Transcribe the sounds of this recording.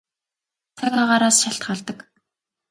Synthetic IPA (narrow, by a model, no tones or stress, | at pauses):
t͡sʰaɣʲaːʁaːɾaːsʃaɬt̪χaːɮt̪ə̆k